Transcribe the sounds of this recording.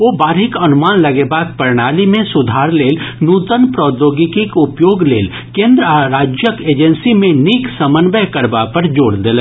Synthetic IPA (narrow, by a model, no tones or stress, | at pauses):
ʋoːbaːɾɦɪkɐnʊmaːnlɐɡebaːk̪̚pəɾɽ̃aːlimẽsʊd̪ʱaːɾleːlnuːt̪ənpɾɔːd̪oːɡikikʊpjoːɡleːl | kẽːnd̪ɾəaɾaːd͡ʒjəkeːd͡ʒənsimẽniːksəmənbəɦkəɾbapəɾd͡ʒoːɽd̪eːlə